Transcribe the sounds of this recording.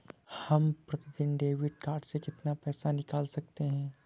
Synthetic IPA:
hɐmpɾɐt̪id̪ɪnɖeːʋɪɖ̚kaːɾɖsekɪt̪napɛːsanɪkaːlsɐk̚t̪eɦɛ̃ː

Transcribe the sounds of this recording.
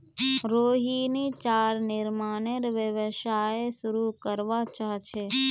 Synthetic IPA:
ɾoɦinit͡ʃaɾnɪɾmaneɾʋəʋəʃaesuɾukəɾʋat͡ʃaɦt͡ʃʰe

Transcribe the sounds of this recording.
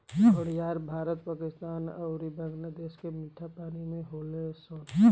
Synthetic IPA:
ɔɽ̤jaːɾbʱaːɾət̪paːkɪst̪aːnə̰ʊɾibəŋɡlad̪eːskemɪʈʰːapaːnimẽɦoːlesən

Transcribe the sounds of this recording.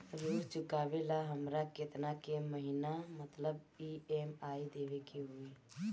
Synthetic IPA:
səɾuːɾt͡ʃʊkaːʋelaɦəmɾakɪt̪nakeməɦinamət̪ləb | ieːmaːid̪eːʋekeɦʊe

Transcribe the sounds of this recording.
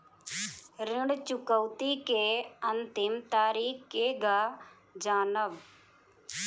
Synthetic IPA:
ɾɪɳɽt͡ʃʊkəwt̪ikeːənt̪ɪmt̪aːɾiːkkeːɡaː | d͡ʒaːnəʋ

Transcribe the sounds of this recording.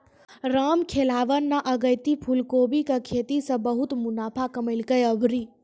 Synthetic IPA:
ɾamkʰelaʋənːaʔəɡəjt̪ipʰulkobikəkʰet̪isə̃bəɦut̪munapʰakəməɪlkəjəbʱɾi

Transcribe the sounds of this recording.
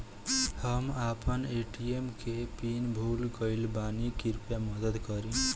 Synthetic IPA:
həmapəneʈiemkepinbʱulɡʌɪlbanikiɾpjamʌd̪əd̪kʌɾĩ

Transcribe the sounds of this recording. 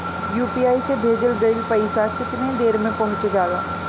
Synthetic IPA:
juːpiːaːisebʱeːd̪əlɡɐipɐɪsakɪt̪ned̪eːɾmẽpɐɦʊ̃t͡ʃd͡ʒaːɡa̰ː

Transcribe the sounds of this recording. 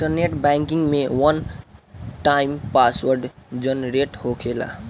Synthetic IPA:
ĩʈərneʈbaŋkiŋmewʌn | ʈajmpaswʌrɖd͡zʌnɾeʈhokʰela̰

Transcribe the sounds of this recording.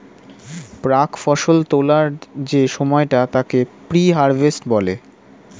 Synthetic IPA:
pɾakfɔʃolt̪olaɾd͡ʑeʃɔmɔeʈat̪akepɾiɦaɾbesʈbɔle

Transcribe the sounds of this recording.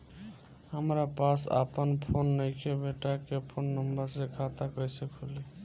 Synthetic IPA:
həmɾapasa̰pənpʰonːəjkʰebeʈakepʰonːəmbəɾsekʰat̪akəjsəkʰoli

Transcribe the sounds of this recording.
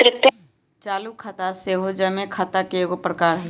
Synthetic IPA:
ɾɪt̪j | t͡ʃaːlukʰat̪aseɦod͡ʒɐmẽkʰat̪akeɡopɾəkaːɾɦɛ

